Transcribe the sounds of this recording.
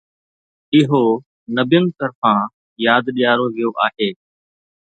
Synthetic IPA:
ɪɦo | nɐbjənɪ̆t̪ɐɾfãː | jaːd̪ɗijaːɾoʋijoʔaːɦeː

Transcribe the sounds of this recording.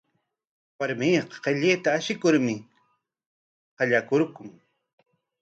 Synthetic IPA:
waɾmiːqɑ̥qeʎeːt̪aːʃɪkʊɾmɪ | hɑʎakʊɾkʊŋ

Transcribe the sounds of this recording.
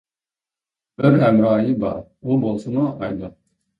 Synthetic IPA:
b̥ɪɾɦɛmɾɑːjibɑ̰ɾ | ubolˠsunuɑjd̪u

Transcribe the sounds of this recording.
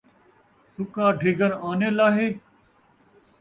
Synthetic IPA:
sʊkaːɖʱiːɡəɾaːneːlaːɦeː

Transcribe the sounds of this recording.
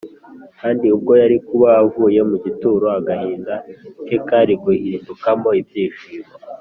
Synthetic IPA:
kaːndiub̚ɡo̞jaɾikuβaavuːje̞muɟituɾo̞aɡahiːndakekaɾiɡuhiːndukamo̞ibjiːʃiβo

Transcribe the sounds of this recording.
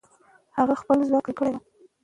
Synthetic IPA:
haɣaxpəlzwaklkəɽed̪a

